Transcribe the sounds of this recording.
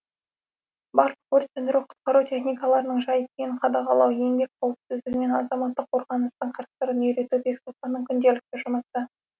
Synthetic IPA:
bɑɾlˠəqwɵɾt̪ʲend̪ɪɾuqʰʊ̥t̪̚qɑɾut̪ʰʲe̞χnijkɑlˠɑɾənəɴʒɑjkʲʰejɪɴqʰɑd̪ɑqɑlˠɑwe̞mbe̞k̚ʲqʰolˠəpsɪzd̪ɪkme̞nɑzɑmɑt̪ːəqʰːo̞ɾʁɑnəst̪əɴqʰɑɾt̪st̪ɑɾənɵjɾe̞t̪ubeksot̪ɑnəŋkʲʰʏnd̪e̞lɪk̚t̪ɪʒʊməsə

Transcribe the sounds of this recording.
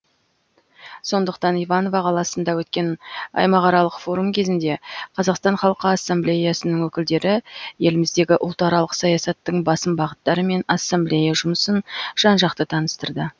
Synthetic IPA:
so̞nd̪əqt̪ɑnijvɑno̞vɑqʰɑlˠɑsənd̪ɑwɵt̪kʲe̞nɑ̰jmɑʁɑɾɑlˠəqfo̞ɾumkʲʰe̞zɪnd̪e̞qʰɑzɑqst̪ɑnχɑlˠqəɑsːamblʲejasənəŋwɵkʲɪld̪e̞ɾɪje̞lɪmɪzd̪e̞ɡʲɪʔʊlˠt̪ɑɾɑlˠəqsɑjɑsɑt̪ːəɴbɑsəmbɑʁət̪ːɑɾəme̞nɑsːamblʲejaʒʊməsənʒ̥ɑnʒɑqt̪ət̪ʰɑnəst̪əɾd̪ə

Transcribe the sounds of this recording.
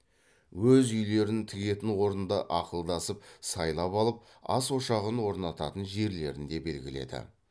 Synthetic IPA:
wɵzʏjle̞ɾɪnt̪ʰɪɡʲe̞t̪ɪnwo̞ɾənd̪ɑ̰ʔɑqəlˠd̪ɑsəpsɑjlˠɑpɑlˠəp̚ | ɑ̰swo̞ʃɑʁənwo̞ɾnɑt̪ɑt̪ənʒe̞ɾle̞ɾɪnd̪e̞be̞lɡʲɪ̰le̞̰d̪ɪ̰

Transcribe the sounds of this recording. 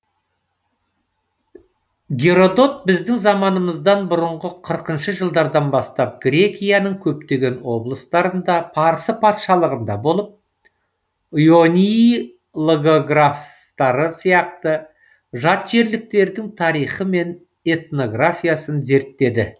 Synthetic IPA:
ɡʲe̞ɾo̞d̪o̞t̪̚bɪzd̪ɪŋzɑmɑnəməzd̪ɑnbʊɾəɴʁəqʰəɾəqənʃəʒəlˠd̪ɑɾd̪ɑnbɑst̪ɑp̚ɡɾʲe̞kʲijanəŋkʲʰɵpt̪e̞ɡʲe̞nwo̞blˠəst̪ɑɾənd̪ɑpʰɑɾəsəpʰɑt̪ʃɑlˠəʁənd̪ɑbo̞lˠəp̚ | ujo̞nʲi | lˠoɡoɡraf | t̪ɑɾəsijɑq̚t̪ə | ʒɑt̪ʒe̞ɾlɪk̚t̪e̞ɾd̪ɪŋt̪ʰɑɾijχəme̞n | e̞t̪no̞ɡrafʲijasənze̞ɾt̪ːe̞d̪ɪ

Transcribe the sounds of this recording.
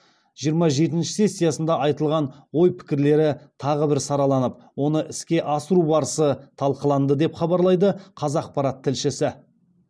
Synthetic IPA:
ʒ̥ijəɾmɑʒe̞t̪ɪnʃɪ̥se̞sʲːijasənd̪ɑʔɑjt̪əlˠʁɑn | wo̞jpʰɪ̥kʲɪɾle̞ɾɪt̪ʰɑʁəbɪɾsɑɾɑlˠɑnəp̚ | wo̞nəʔɪskʲe̞ʔɑsəɾubɑɾəsət̪ʰɑlˠqəlˠɑnd̪əd̪e̞pχɑbɑɾlˠɑjd̪əqʰɑzɑq̚pɑɾɑt̪ʰːɪlʃɪsɪ

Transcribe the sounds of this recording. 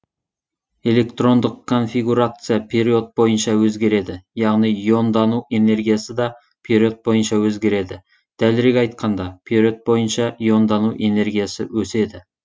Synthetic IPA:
e̞lʲe̞kt̪ro̞nd̪ɪqʰːo̞nfʲiɡuɾat̪sɨjapʲʰeɾio̞t̪̚bo̞jənʃɑwɵzɡʲe̞ɾe̞d̪ɪjɑʁnijjo̞nd̪ɑnue̞ne̞rɡʲijasɪd̪ɑ | pʲʰeɾʲio̞t̪̚bo̞jənʃɑwɵzɡʲe̞ɾe̞d̪ɪ | d̪̥ælɪɾeɡʲɑjt̪̚qʰɑnd̪ɑpʲʰeɾʲio̞t̪̚bo̞jənʃɑjo̞nd̪ɑnuʔe̞ne̞rɡʲijasɪ̰wɵse̞d̪ɪ

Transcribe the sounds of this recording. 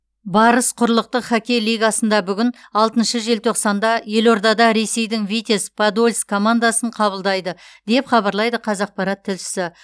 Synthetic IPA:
bɑɾəsqʰʊɾlˠəq̚t̪əqχækʲe̞jlˠijɡɑsənd̪ɑbʏɡʲɪnɑlˠt̪ənʃəʒe̞lt̪ʰoqsɑnd̪ɑje̞lo̞ɾd̪ɑd̪ɑɾe̞se̞jd̪ɪŋvijt̪ʲe̞spʰad̪olʲskʰo̞mand̪asəɴqʰɑbəlˠd̪ɑjd̪əd̪̥e̞pχɑbɑɾlˠɑjd̪əqʰɑzɑq̚pɑɾɑt̪ʰːɪlʃɪ̥sɪ

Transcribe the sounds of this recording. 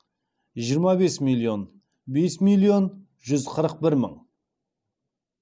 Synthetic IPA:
ʒijəɾmɑbe̞smilˠio̞n | be̞smijlˠijo̞n | ʒʏzqʰəɾəq̚bɪɾmə̰ɴ

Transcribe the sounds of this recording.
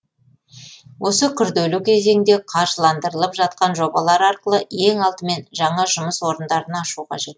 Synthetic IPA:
wʔo̞səkʲʰʏɾd̪ɵlɪkʲʰe̞ze̞ŋd̪e̞qʰɑɾʒəlˠɑnd̪əɾəlˠəpʒɑt̪̚qɑnʒo̞bɑlˠɑɾɑɾqəlˠəe̞ŋɑlˠt̪əme̞nʒɑɴɑʒʊməswo̞ɾənd̪ɑɾənɑʃuqʰɑʒe̞t̪

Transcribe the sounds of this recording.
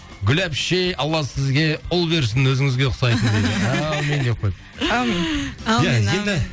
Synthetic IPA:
ɡʲʏlæpʃejɑlˠːɑsɪzɡʲe̞ʊlˠbe̞ɾs̬ɪnwɵzɪŋɪzɡʲe̞qʰʊ̥sɑjt̪ənd̪ed̪ɪæwme̞nd̪eqʰojp̚ | jæje̞nd̪ɪ

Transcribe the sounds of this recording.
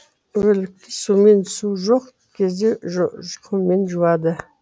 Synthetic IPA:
wɵlɪk̚t̪ɪsume̞nsuʒoq | kʲʰezd̪eʒqʰumenʒuwɑd̪ə

